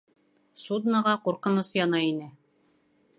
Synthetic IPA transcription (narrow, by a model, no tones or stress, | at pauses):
sud̪nɑʁɑquɾqɤ̆nɤsjɑnɑinɘ